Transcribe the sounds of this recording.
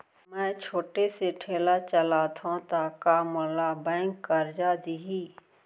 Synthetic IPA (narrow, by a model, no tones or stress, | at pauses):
mɛ̃ːt͡ʃʰoːʈeseʈʰeːlat͡ʃəlat̪ʰõt̪aːkamʊlabɛ̃ːŋkːɐɾd͡ʒaːd̪iɦiː